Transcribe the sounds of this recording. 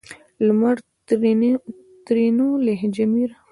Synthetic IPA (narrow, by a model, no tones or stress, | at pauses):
lmaɾ | t̪ɾinuleɦd͡ʒamiɾ